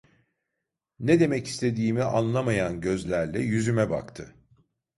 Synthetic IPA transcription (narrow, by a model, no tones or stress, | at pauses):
ned̪e̞mɛci̥st̪ʰe̞d̪iːmiʔanlˠamajanɟø̞zlʲæɾlʲɛjyzymɛba̰kt̪ʰɯ